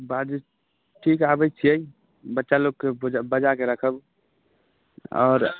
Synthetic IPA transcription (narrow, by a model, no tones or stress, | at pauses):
bad͡ʒ | ʈʰikabət͡ʃʰiəi | bətːʃaloɡ̚kebabəd͡ʒakeɾəkʰəb | ɔ̰ːɾ